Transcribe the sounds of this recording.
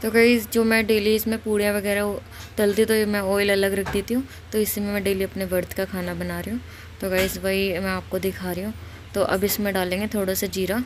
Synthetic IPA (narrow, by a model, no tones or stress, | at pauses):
t̪oːɡaisd͡ʒoːmɛ̃ɖeːliɪsmẽpuːɽijãʋɐɡɛːɾa | t̪ɐlt̪it̪omɛ̃oːɪlɐləɡɾɐkʰd̪et̪iɦũː | t̪oɪsmẽmɛ̃ɖeːliɐpneʋɐɾt̪kakʰaːnabɐnaːɾəɦũː | t̪oɡaisʋɐimɛ̃aːp̚kod̪ɪkʰaːɾəɦũː | t̪oʔɐbɪsmẽɖaːlẽːŋɡet̪ʰoːɽasad͡ʒiːɾaː